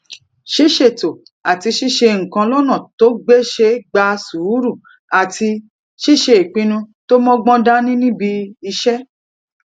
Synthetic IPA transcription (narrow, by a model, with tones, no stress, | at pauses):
ʃi˦ʃe˦˨to˨ | a˨ti˧ʃi˦ʃe˧ŋ̩˨kã˧lɔ˦nã˦˨to˦ɡ͡be˦ʃe˧˦ɡ͡ba˧su˨˦ɾu˦˨ | a˨ti˧ | ʃi˦ʃe˧i˨k͡pĩ˧nũ˧to˦mɔ̃˦ɡ͡bɔ̃˦da˦nĩ˦nĩ˦bi˧i˧ʃɛ˦